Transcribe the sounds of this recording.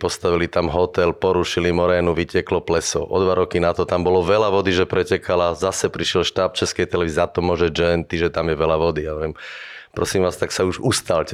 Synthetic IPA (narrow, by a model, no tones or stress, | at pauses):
pɔst̪aʋilit̪amɦɔt̪ɛlpɔɾuʃilimɔɾɛːnuʋicɛklɔplɛsɔʔɔd̪ʋaɾɔkinat̪ɔt̪ambɔlɔʋɛlaʋɔd̪iʒɛpɾɛcɛkalazasɛpɾiʃɪɛlʃt̪aːp̚t͡ʃɛskɛjt̪ɛlɛʋiziat̪ɔmɔʒɛd͡ʒɛnt̪iʒɛt̪amjɛʋɛlaʋɔd̪ijaʋɛmpɾɔsimʋaːst̪aksauʒust̪aːlc